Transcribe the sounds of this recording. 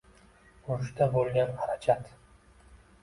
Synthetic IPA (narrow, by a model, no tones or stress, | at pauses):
ʊʃt̪abolˠɡʲanhaɾat͡ʃʰat̪